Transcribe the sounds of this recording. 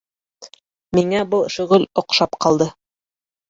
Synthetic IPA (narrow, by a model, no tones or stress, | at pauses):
miŋæbɤlˠʃɵ̆ɣɵlŏqʃɑpqɑlˠd̪ɤ